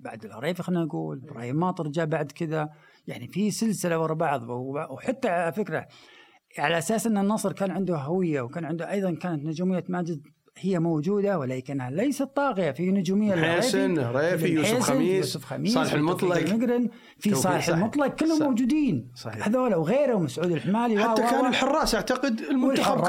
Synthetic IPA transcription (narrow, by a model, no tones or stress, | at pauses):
baʕd̪ɪlhɑ̰ɾˤeːfxanːaaɡuːlbɾˤɑ̰ːjmaːt̪ˤɨɾˤd͡ʒabaʕd̪kɪða | jaʕnifisɪlsɪlawɑɾˤɑbɑʕðˤwħat̪ːaʕalafɪkɾa | ʕalaʔasaːsʔɪnːanːɑsˤɾkaːnʕɪnd̪ʊhɦawɪjːawkaːnʕɪnd̪ʊʔɑjðˤɑnkaːnat̪nʊd͡ʒuːmɪjːamaːd͡ʒɪz | hɪjːamowd͡ʒuːd̪awɪlaːjkɪnːhalajsat̪ːˤɑːɣɪjafinʊd͡ʒuːmɪjːalːeːinelːeːsɪjːuːsʊfxa̰miːllmʊt̪ˤlɑmɪɡɾɪn | fisˤɑːlɪħɪlmʊt̪ˤlɑɡ̚kɪlːhʊmmːowd͡ʒuːd̪iːnshaðoːlawɣeːɾhwmasʕuːd̪ɪlħɪmaːliwat̪ːakaːnɪlħʊrˤːɑːsʔaʕt̪aqɪd̪ɪlmʊwɪlħɑˤː